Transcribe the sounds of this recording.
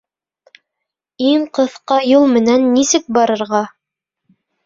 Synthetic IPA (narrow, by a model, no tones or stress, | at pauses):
iɴqɤ̆θqɑjulˠmɘ̆nænːisɘk̚bɑɾɤ̆ɾʁɑ